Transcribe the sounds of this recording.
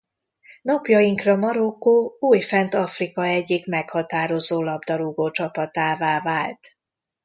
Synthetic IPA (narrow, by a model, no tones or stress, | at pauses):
nɒpjɒjiŋkrɒmɒɾokːoːuːjfɛnt̪ɒfrikɒɛɟːikmɛkhɒt̪aːɾo̞zoːlɒbd̪ɒɾuɡoːt͡ʃɒpɒt̪aːvaːvaːlt̪